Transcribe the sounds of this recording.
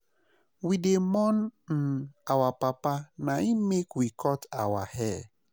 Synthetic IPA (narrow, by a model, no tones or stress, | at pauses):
widemɔn̩n̩awapapanaimekwikɔtawa̰hɛ